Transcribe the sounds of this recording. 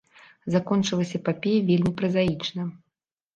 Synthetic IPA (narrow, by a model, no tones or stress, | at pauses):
zakɔnt͡ʂɨlˠɐsʲɐpapʲejvʲelʲmʲipɾɐzait͡ʂnɐ